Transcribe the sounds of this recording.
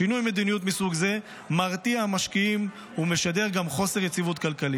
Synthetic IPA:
ʃinujme̞d̪inijut̪misuɡze̞ | maʁt̪iahamaʃkiim | ume̞ʃad̪e̞ʁɡamχo̞se̞ʁjet͡sivut̪kalkali

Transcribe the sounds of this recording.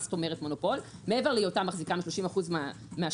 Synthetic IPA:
st̪ome̞ʁetmo̞nopo̞lmeeve̞ʁlejotamaχzikamʃlo̞ʃimaχuzma | mea

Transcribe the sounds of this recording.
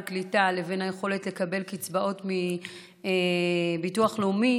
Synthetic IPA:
klitale̞ve̞nhaje̞χo̞le̞tle̞kabe̞lkit͡sbaʔo̞tmi | ebituaχleumi

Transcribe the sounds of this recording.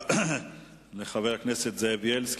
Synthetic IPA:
leχaveʁakneset̪zevjelsk

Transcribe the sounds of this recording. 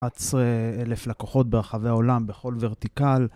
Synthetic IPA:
at͡seele̞flakoχo̞t̪̚beʁaχaveao̞lambe̞χo̞lve̞ʁt̪ikal

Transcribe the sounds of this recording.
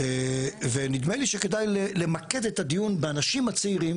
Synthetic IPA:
evenid̪meliʃeke̞dajlele̞make̞d̪etad̪ijunbeanaʃimat͡seiʁim

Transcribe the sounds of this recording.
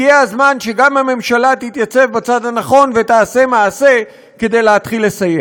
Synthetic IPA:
ijeazmanʃe̞ɡamhame̞mʃalat̪it̪jat͡se̞vbat͡sad̪hanaχo̞nve̞t̪aːse̞maːse̞ | ke̞d̪e̞jlehat̪χilːe̞saje

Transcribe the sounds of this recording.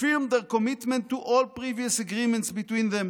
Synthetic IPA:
ɪɹmd̪əɹkɔmɪtmɛ̃ntːuʔɔlpɹiviəsəɡɹimɛ̃ntsbit̪wĩnðɛ̃m

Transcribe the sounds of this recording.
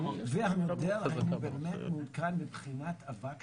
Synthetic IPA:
vehamod̪eʁainubemet̪mudkanbibχinat̪avak

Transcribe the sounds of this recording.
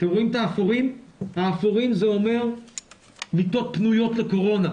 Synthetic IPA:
t̪emʁoimt̪aːfoʁimhaːfoʁimzeo̞me̞ʁ | mit̪o̞t̪̚pnujo̞tleko̞ʁo̞na

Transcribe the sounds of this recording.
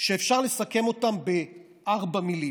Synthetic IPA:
ʃeːfʃaʁle̞sake̞mo̞tambe̞ | ʔaʁbamili

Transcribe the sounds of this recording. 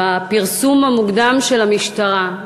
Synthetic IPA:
apiʁsumamuɡd̪amʃe̞lamiʃtaʁa

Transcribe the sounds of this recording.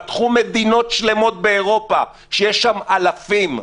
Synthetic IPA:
t̪χume̞d̪ino̞tʃle̞mo̞t̪̚be̞ːʁo̞pa | ʃejeʃamalafim

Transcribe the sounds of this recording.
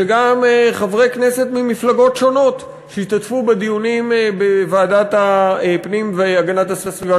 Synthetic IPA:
eɡamχavʁejknese̞tmimiflaɡo̞tʃo̞no̞t | ʃeiʃt̪atfubed̪ijunimbevaːdat̪aepnimveaɡanat̪hassviva

